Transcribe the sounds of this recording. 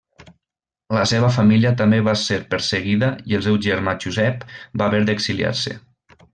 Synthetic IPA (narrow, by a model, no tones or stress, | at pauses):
ləseβ̞əf̬amiljət̪əmbeβaseɾpəɾsəɣiðəielˠs̬ewʒəɾmaʒuzɛpbaːβeɾðəkzilia̰ɾsə̰